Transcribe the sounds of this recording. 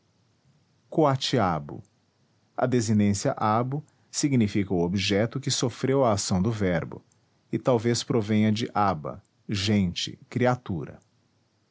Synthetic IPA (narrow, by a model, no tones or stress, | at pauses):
koat͡ʃiabʊ̰ | ɐ̰d̪ezinẽsiɐʔabʊ | siɡnifikɐuobiʒɛt̪ʊkɪsofɾewɐːsɐ̃w̃d̪ʊvɛɾbʊ̰ | ɪt̪awvespɾovẽɲɐd͡ʒɪʔabɐ̰ | ʒẽnt͡ʃɪ̰kɾiat̪uɾɐ̰